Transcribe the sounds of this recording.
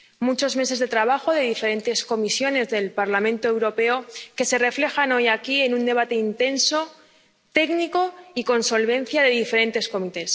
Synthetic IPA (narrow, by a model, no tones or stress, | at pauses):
mut͡ʃo̞zme̞se̞zðe̞t̪ɾaβaxo̞ðe̞ðife̞ɾe̞nt̪e̞sko̞misjo̞ne̞zðe̞lpaɾlamẽ̞nt̪oe̞wɾo̞pe̞oke̞se̞re̞fle̞xano̞jakie̞nũnd̪e̞β̞at̪e̞int̪e̞nso̞ | t̪e̞kniko̞iko̞nso̞lβ̞e̞n̟θjaðe̞ðife̞ɾẽ̞nt̪e̞sko̞mit̪e̞s